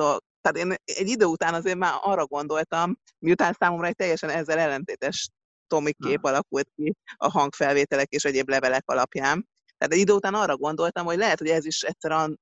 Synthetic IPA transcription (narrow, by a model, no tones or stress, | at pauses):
ot̪ɛat̪eːnɛɟːid̪øːut̪aːnɒzeːrmaːɒrːɒɡo̞n̪d̪o̞lt̪ɒm | miut̪aːnsaːmo̞mɾɒɛc̚t̪ɛjːɛʃɛnɛzːɛlɛlːɛnt̪eːt̪ɛʃ | t̪o̞mikːeːpɒlɒkult̪̚kiɒ̰ɦɒŋkfɛlveːt̪ɛlɛkeːʃɛɟeːblɛvɛlɛkɒlɒpjaːn | t̪aːt̪ɛɟid̪øːut̪aːnɒrːɒɡo̞nd̪o̞lt̪ɒmho̞ɟlɛɦɛt̪hoɛziʃɛt̪ʲsɛɾɒn